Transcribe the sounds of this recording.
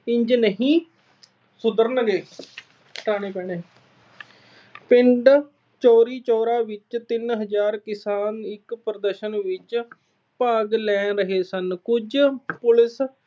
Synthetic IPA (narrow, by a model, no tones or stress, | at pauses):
ɪɲd͡ʒnəɦĩː | sʊd̪əɾnəɡeː | ʈaːɽ̃eːpɛːɽ̃eː | pɪɳɖ | t͡ʃɔːɾiːt͡ʃɔːɾaːʋɪt͡ʃt̪ɪnɦəd͡ʒaːɾkɪsaːnɪkpɾəd̪əɾʃənʋɪt͡ʃ | paːɡlɛːɾəɦeːsənkʊd͡ʒpʊlɪs